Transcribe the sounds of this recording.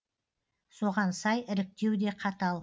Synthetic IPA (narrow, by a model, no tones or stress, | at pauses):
so̞ʁɑnsɑjɪɾɪk̚t̪e̞wd̪e̞qʰɑt̪ɑlˠ